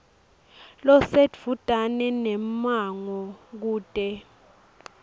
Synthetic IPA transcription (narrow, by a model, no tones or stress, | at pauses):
lɔsedvutʼanɛnɛmaŋɔk̬uːtʼɛ